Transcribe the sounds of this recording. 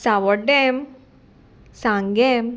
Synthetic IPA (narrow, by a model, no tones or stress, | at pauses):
saʋɔɖem | sãŋɡem